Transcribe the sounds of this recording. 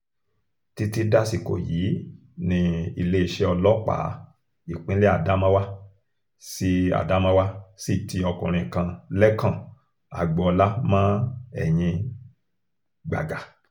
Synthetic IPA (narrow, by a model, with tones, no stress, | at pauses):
ti˧ti˧da˦si˨ko̰˨jiː˨˦ | nĩ˧i˦˧le˦i˦˨ʃe˧ɔ˧lɔ˦k͡pa̰˨˦ | i˨k͡pĩ˦le˦a˦˨da˨˦mã˦wa˦ | si˦a̰˨da˨˦mã˦wa˦si˦˨ti˧ɔ˧kũ˨ɾ̃ĩ˧˨kã˧lɛ˦kã˦˨ | a̰˨ɡ͡bɔ˨˧ɔ˧la˦mãː˦ɛ̰˦˨j̃ĩ˧ | ɡ͡ba̰˨ɡa˨